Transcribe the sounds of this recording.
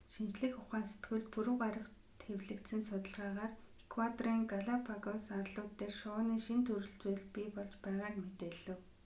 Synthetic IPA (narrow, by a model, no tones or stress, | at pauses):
ʃint͡ɕɮɘ̆xʊχaːnse̥t̪ɡɘ̆ɮpuɾɵ̆wɢaɾə̆w | t̪ʰxewɮɘ̆kt̪sɘ̆nsʊt̪ə̆ɮʁaːʁaːr | ekʰwat̪ɔriŋɡaɮapʰaɣɔnsarɮʊːt̪ːeːrʃɔːniːʃint̪ʰɵɾɵ̆ɮt͡suːɮpiːpɔɮt͡ɕpæːʁaːkmet̪eːɮɘ̆w